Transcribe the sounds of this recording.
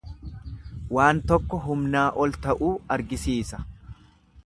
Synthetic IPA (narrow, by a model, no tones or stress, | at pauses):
waːnt̪ɔkːɔɦʊmnaːʔɔlt̪ɐʔuːɐɾɡɪsiːsɐ̥